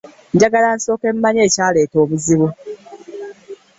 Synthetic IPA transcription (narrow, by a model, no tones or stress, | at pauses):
ɲɟaɡalanso̞ːke̞mmːaɲe̞ːcaːle̞ːto̞ːβuziβu